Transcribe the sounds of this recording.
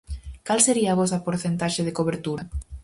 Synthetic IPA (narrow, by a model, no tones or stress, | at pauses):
kalseɾiɐaːβɔs̬ɐpoɾθent̪aʃeðekoβeɾt̪uɾɐ